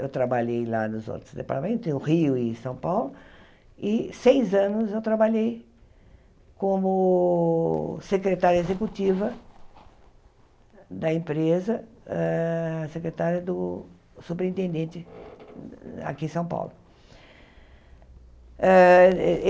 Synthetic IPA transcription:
ewt̪ɾabaʎejla̰nʊzo̰t̪ɾʊzd̪epaɾt̪amẽnt̪ʊz̃ʊʁiʊɪsɐ̃w̃pawlʊ | ɪsejzɐ̃nʊzewt̪ɾabaʎej | kõmʊ | sekɾet̪aɾjɐezekut͡ʃivɐ | d̪ɐẽpɾezɐɛsekɾet̪aɾjɐd̪ʊ | supeɾĩnt̪ẽnd̪ẽt͡ʃ̪ɪ | a̰kiẽsɐ̃w̃pa̰wlʊ | ɛ

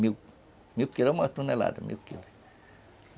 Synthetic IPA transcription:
miu | miukːilomɑst̪unela̰d̪emḭukːḭl

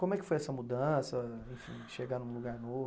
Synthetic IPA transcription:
kõmʊɛkɪ̥fojɛsɐmud̪ɐ̃sɐẽfḭ̃ʃeɡanũluɡaɾnov

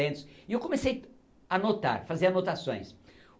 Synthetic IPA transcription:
ẽnt̪ʊ̥sɪewkõmesej | anot̪a̰ɾfazeɾanot̪asõj̃s

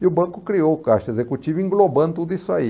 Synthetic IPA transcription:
iʊbɐ̃kʊkɾiowkaʃt̪ezekut͡ʃivĩŋɡlobɐ̃nd̪ʊt̪ud̪ʊisʊai

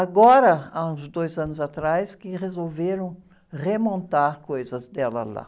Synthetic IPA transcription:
aɡɔɾɐaũzd̪ojzɐ̃nʊzat̪ɾajskɪʁezowveɾɐ̃w̃ | ʁemõnt̪aɾkojzɐzd̪ɛlɐ̰la̰

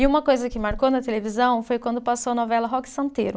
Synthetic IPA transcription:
ɪũmɐkojzɐkɪmaɾkonɐt̪elevizɐ̃w̃fojkwɐ̃nd̪ʊpasowɐnɔvɛlɐɦɔksɐ̃nt̪eɾʊ

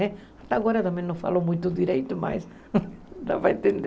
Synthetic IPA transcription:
ɛ | at̪aaɣɔɾɐt̪ɐmẽj̃nɐ̃w̃fa̰lomũjt̪ʊd̪iɾejt̪ʊma̰js | ʒa̰paẽnt̪ẽnd̪

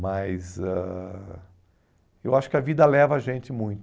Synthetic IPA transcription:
mɐjzɛ | ewaʃʊ̥kɪɐvid̪ɐlɛvɐaʒẽnt͡ʃɪmũj̃t̪

